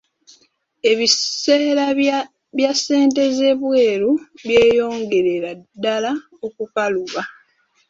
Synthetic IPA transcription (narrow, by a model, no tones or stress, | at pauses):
e̞βiseːɾa | βjasːe̞ːnte̞ze̞βwe̞ːɾuβje̞ːjo̞ːŋɡe̞ɾe̞ɾadːala | okukaluβa